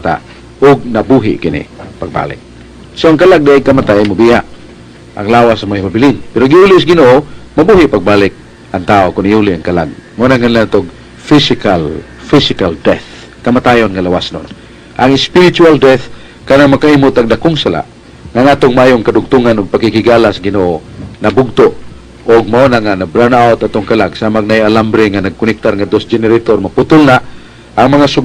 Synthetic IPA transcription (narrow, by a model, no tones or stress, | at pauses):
t̪a̰ | ʊɡ̚nabuɦɪ̰ʔkɪnɪ̰paɡ̚ba̰lɪ̰k̚ | soaŋkalaɡ̚daʔakamat̪aamʊbiaʔ | ʔa̰ŋlawasamaibabɪlɪnpɛɾoɡiulɪs̬ɡɪnoʔomabuɦɪʔpaɡ̚balɪk̚ | ʔaŋt̪aokʊnijulɪaŋkala̰ɡ̚monaŋanlat̪oɡ | fisɪkal | fɪsɪkaldɛθ | kamat̪ajonŋalawasno̰n | ʔaŋɪspɪɾɪt͡ʃuald̪ɛθ | kanaŋmakaimʊt̪aɡd̪akʊŋsala̰ʔ | ŋaŋat̪oŋmaʔajʊŋkadʊɡ̚t̪uŋanʊɡ̚pakikɪɡalasɡɪnoʔonabʊɡ̚t̪o | ʔʊɡ̚maonaŋanabɾanaot̪at̪oŋkalaɡsamaŋnajalambɾɪŋanaɡ̚kʊnɪk̚t̪arŋad̪osd͡ʒɛnɪɾet̪ormapʊt̪ʊlnaʔ | ʔaŋmaŋasʊɡ